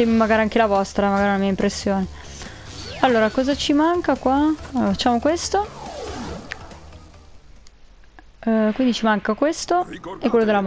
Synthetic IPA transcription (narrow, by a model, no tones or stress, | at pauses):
emaɡaːɾiaŋk̟elavɔst̪ɾamaɡaːɾiunamiːaimpɾesːjoːne | alːoːɾakɔːzat͡ʃimaŋkakwafat͡ʃːaːmokwest̪o | kwind̪it͡ʃimaŋkakwest̪oɛkːwelːod̪elːam